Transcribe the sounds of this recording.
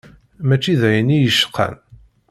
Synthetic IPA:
mæt͡ʃːiðæjənijəʃːə̥qʰːæ̰n

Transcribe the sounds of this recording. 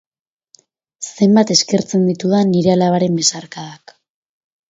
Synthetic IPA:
se̞mbat̪e̞ske̞ɾt͡se̞nd̪it̪uðaniɾe̞alaβaɾe̞mbe̞saɾkaðak

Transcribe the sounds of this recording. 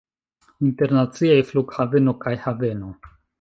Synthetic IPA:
inte̞ɾnat͡siajfluɡhave̞no̞kajhave̞no̞

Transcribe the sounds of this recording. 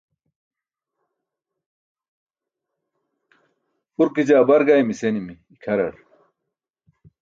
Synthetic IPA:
uɾkid͡ʑaːbɐɾɡajmisenimiːkʰɐɾɐɽ

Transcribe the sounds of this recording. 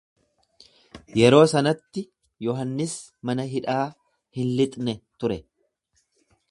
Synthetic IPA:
jɛɾo̞ːsɐnɐt̪ːɪ | jɔɦɐnːɪs | mɐnɐɦɪᶑaː | hɪnlɪt̪ʼnɛt̪ʊɾɛ

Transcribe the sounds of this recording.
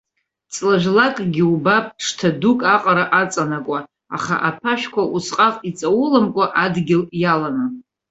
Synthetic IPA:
t͡sʼlaʒʷᶣlakʼɡʲiubapʼʰʂtʰadukʼaqʼaɾaʔat͡sʼanakʷʼa | a̰χa̰ʔapʰaʃᶣkʷʰaʔusqʼaqʼit͡sʼawʊlamkʷʼaʔadɡʲɪljalana

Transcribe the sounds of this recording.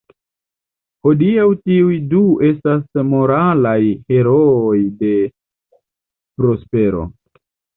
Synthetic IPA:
ho̞diawtiujdue̞stasmo̞ɾalajhe̞ɾo̞ːjde̞ | pɾo̞spe̞ɾo̞̰

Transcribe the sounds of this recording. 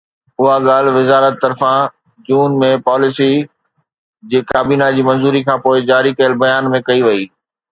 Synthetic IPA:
ʊɦaɠaːl̤ʋɪzaːɾət̪ːɐɾfã | d͡ʑuːnmẽpaːlɪsi | d͡ʑeːkaːbiːnad͡ʑiːmɐ̃nzuːɾikʰãːpoːɪd͡ʑaːɾikɐjəlbɐjaːnmẽkɐiʋɐiː

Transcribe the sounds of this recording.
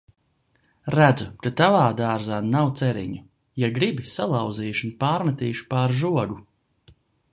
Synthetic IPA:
ɾæd̪zukat̪avaːd̪aːɾzaːnawt̪sɛɾḭɲu | jaɡɾibisalˠawd̪ziːʃunpaːɾmat̪iːʃpaːɾʒuɔɡu

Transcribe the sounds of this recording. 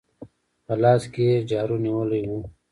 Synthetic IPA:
pɐlaːsked͡ʑaːɾuniwoliwuː

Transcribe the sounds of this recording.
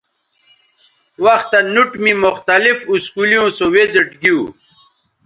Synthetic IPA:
wɐxt̪ɐnuʈmimʊxt̪ɐlifuskulijõːsowezeʈɡiu

